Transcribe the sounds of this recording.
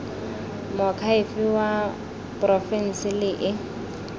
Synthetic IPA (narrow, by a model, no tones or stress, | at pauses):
mɔkʰaɪfɪwa | pʼrɔfɛn̩sɪlɪʔɪ